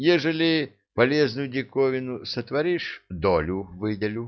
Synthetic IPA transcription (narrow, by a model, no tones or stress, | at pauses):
jɛʐəlʲɪ | pɐlʲeznʊjʊdʲɪkovʲɪnʊsət̪vɐɾʲiʂd̪olʲʊvɨd̪ʲɪlʲʊ